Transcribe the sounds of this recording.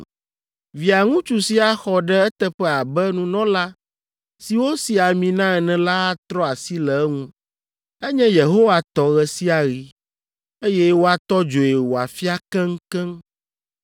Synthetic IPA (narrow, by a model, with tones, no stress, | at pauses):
vi˨a˨ŋũ˦t͡ʃu˨si˦a˦xɔ˨ɖɛ˦ɛ˦t̪ɛ˦ɸɛ˦a˨bɛ˦nũ˦nɔ̃˦la˦ | si˨wo˦si˨a˨mĩ˨nã˦ɛ˨nɛ̃˨la˦t̪ɾɔ˦a˨si˦lɛ˨˦ŋũ˦ | ɛ˦ɲɛ̃˦je˨ɦo˦wa˨t̪ɔ˨ɣɛ˨si˦a˨ɣi˨ | e˦jɛ˦wo˦a˦t̪ɔ˦d͡ʒo˨je˨wo˨a˨fi˦a˦kɛ̃˦ŋ˦kɛ̃˦ŋ